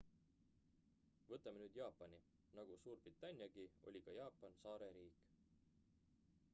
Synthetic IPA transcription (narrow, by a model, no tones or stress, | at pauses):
vɤt̪ːˑɑmenyːd̪̥jɑːpːˑɑni | nɑɡ̥usuːrb̥rit̪ːˑɑnʲjɑɡ̥io̞̰lʲikɑjɑːpːˑɑnsɑːɾe̞ɾiːkːˑ